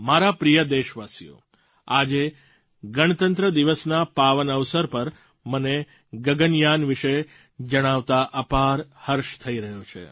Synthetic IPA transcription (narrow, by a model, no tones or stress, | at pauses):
maɾapɾijəd̪eʃʋasijo̰ | ad͡ʒe | ɡəɽ̃ət̪ənt̪ɾəd̪iʋəsnapaʋənəʋsəɾpəɾ | məne | ɡəɡənjanʋiʃe | d͡ʒəɽ̃aʋt̪aʔəpaɾhəɾʃt̪ʰəiɾəɦot͡ʃʰḛ